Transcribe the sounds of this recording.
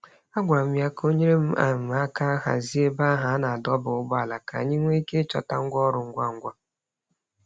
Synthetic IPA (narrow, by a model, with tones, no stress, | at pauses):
a˦ɡʷa˨m̩˦ja˦kʰo˦ɲe˦ɾe˦m̩˦a̰˨m̩˨a˦ka˦ɦa̰˨zi˦e˦ba˦ɦa˨˦na˨a˨dɔ˦bʊ˨ʊ˦ɡ͡bɔ˦a˨la˨ka̰˨ɲɪ˦ŋʷe˦i˦ke˦t͡ʃɔ̰˨ta˦ŋ̩˦ɡʷɔ˦ɾʊ˨ŋ̩˦ɡʷa˦˨ŋ̩˦ɡʷa˦